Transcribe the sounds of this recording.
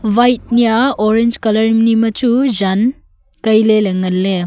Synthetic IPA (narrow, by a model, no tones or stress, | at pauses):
bajt̚nijaoɾend͡ʒkɐlɐɾmnimɐt͡ʃuzan | kɐjleleŋɐlːe